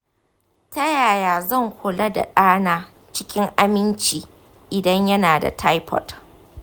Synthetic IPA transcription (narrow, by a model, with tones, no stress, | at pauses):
tɐ˦jaː˨jaː˨zɐ˦˨ŋhʷʊ˨lɐ˦da̰˨ɗaː˦naː˦ | t͡ʃɪ˦kʲɪ˦ŋʔa˦mɪ˦nt͡ʃiː˨ | ʔɪ˨dɐ˦ɲjɐ˦naː˨da̰˨tʰa˦jpʰɔ̰˨t